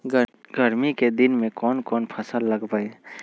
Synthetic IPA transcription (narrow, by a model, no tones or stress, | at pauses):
ɡəɾmiked̪ɪnmẽkɔːnkɔːnpʰəsəlːəɡpaːe